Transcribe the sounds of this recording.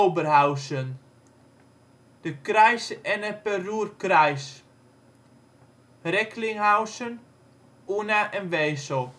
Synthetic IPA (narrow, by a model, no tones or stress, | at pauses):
owbərhawsən | d̥əkrɛjsɛnəpəruərkrajs | rɛkʰlɪŋhawsən | unaʔɛnʋeːso